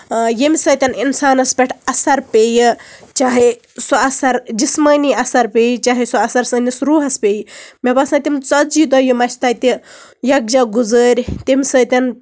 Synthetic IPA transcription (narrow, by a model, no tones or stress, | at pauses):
jemʲsɐːt̪ʲɐninsaːnɐspʲeʈʰɐsɐɾpʲeːjit͡ʃaːɦe | suɐsɐɾd͡ʒismɐniɐsɐɾpʲeːjt͡ʃaːɦesoɐsɐɾsɐnʲisɾuːɦɐspʲejmʲɐbɐsnɐt̪ʲimt͡sɐid̪ɐjumɐt͡ʃʰt̪ɐt̪ʲijɐk̚d͡ʒaɡuzəːɾʲt̪ʲemʲsɐːt̪ʲɐn